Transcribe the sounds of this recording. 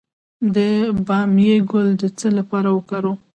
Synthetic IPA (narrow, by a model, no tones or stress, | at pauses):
d̪əbɑmjeɡʊld̪ət͡səlapɑɾawəkɑɾo